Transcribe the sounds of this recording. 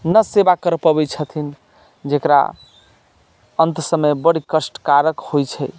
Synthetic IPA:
nəsebakəɾpəbɛt͡ʃʰət̪ʰin | d͡ʒekɾa̰ | ənt̪səmebəɽikəsʈkaɾəkhojt͡ʃʰɛ

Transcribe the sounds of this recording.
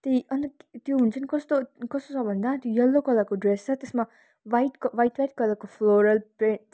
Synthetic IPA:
t̪ijʌnt̪ʌt̪joɦunt͡sʰʌnkʌst̪okʌst̪osʌbʱʌnd̪at̪jojʌlːokʌlakoɖɾest͡sʌt̪esma | ʋajʈkʋajʈʋajʈ̚kʌlakopʰloɾʌlpɾẽ

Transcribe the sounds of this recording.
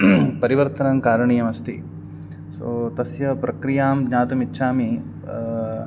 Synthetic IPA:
pɐɾiʋɐɾt̪ɐnɐmkaːɾɐɳiːjɐmɐst̪ḭ | soːt̪ɐsjɐpɾɐkɾijaːmɡɲaːt̪umitːʃʰaːmi

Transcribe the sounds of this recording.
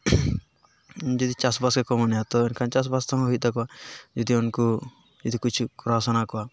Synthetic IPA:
d͡ʒɔd̪it͡ʃasbaskɛkɔmɔnɛjat̪ɔɛnkʰant͡ʃasbast̪ʰaŋɔɦuit̪̚d̪akɔwad͡ʒɔd̪iunku | d͡ʒɔd̪ikut͡ʃʰukɔɾasɔnakɔwa

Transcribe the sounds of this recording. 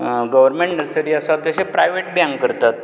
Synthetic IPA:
ɡəʋəɾmẽɳʈnəɾsəɾiːəsat̪jəɕepɾajʋeʈ̚bjãŋɡkəɾt̪at̪

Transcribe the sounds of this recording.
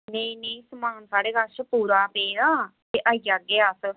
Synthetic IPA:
neĩnẽisəmaːnsaːɽeːɡət͡ʃəpuːɾaːpeːdaːt̪eːʔaːijaɡeːas

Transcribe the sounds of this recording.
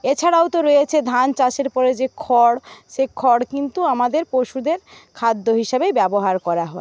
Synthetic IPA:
et͡ɕʰaɽawt̪oɾojet͡ɕʰed̪ʱant͡ɕaʃeɾpɔɾed͡ʑekʰɔɽʃekʰɔɽkint̪uamad̪eɾpoʃud̪eɾkʰad̪ːoɦiʃabejbɛboɦaɾkɔɾaɦɔe

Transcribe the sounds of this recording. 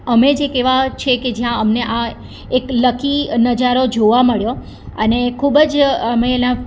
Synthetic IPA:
əmed͡ʒekeʋat͡ʃʰeked͡ʒjãəmneʔa | ekləkinəd͡ʒaɾod͡ʒoʋaməɭjo | ənekʰubəd͡ʒəmelã

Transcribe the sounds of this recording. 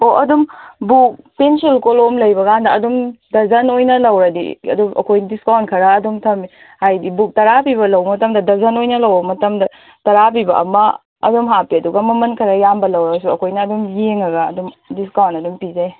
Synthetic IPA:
oʔɐdumbuk̚pensilkolomlɐjbɐkandɐɐdumdɐzɐnojnɐlɐwɾɐdḭɐ̰duʔɐ̰kʰojndiskawnkʰɐɾaːdumtʰɐmi | hajdibuk̚tɐɾapibɐlɐwbɐmɐtɐmdɐdɐzɐnojnɐlɐwbɐmɐtɐmdɐ | tɐɾapibɐ̰ʔɐ̰mɐ̰ | ɐ̰dumɦapiɐduɡɐmɐmɐnkʰɐɾɐjambɐlɐwɾɐɡɐs̬uɐkʰojnɐːdumjeŋɐɡɐ̰ːdumdiskawnɐdumpizaj

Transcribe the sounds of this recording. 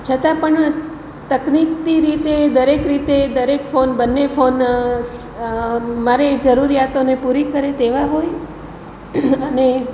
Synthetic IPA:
t͡ʃʰət̪ãpəɳ | t̪əknikt̪iɾit̪ed̪əɾekɾit̪ed̪əɾekfonbənːefon | maɾed͡ʒəɾuɾijat̪onepuɾikəɾet̪eʋaɦoj | əne

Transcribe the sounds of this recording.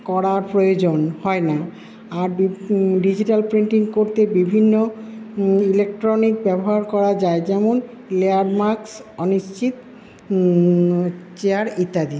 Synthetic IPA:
kɔɽaɾpɾojod͡ʑonhɔena | aɾɖid͡ʑiʈalpɾiɳʈiŋkoɾt̪ebibʱinːo | ilekʈɾonik̚bɛboɦaɾkɔɾad͡ʑaed͡ʑɛmon | leaɖmaɾksɔniʃt͡ɕit̪ | t͡ɕeaɾit̪ːad̪i

